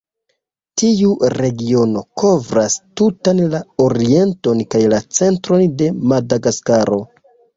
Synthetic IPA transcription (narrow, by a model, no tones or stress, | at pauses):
tiuɾe̞ɡio̞no̞kʰo̞vɾastutanlao̞ɾie̞nto̞nkajlat͡se̞ntɾo̞nde̞madaɡaskaɾo̞